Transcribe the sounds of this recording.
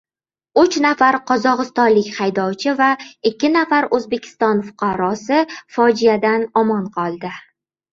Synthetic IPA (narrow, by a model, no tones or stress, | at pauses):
ʊt͡ʃnafaɾqʰɒzɒʁɨst̪ɒnlɪkʲhajd̪ɒwt͡ʃʰɪvaɪkʲʰːɪnafaɾɵzbe̞kʲʰɪ̥st̪ɒnfʊ̥qʰɑɾɒsɪfɒd͡ʒijad̪anɒmɒnqʰɒlˠd̪ɪ